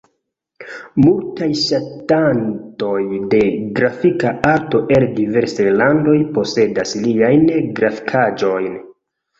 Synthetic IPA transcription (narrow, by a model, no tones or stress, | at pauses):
multajʃatanto̞jde̞ɡɾafikaaɾto̞ʔeldive̞ɾsajlando̞jpo̞se̞dasliajnɡɾafi̥kʰad͡ʒo̞jn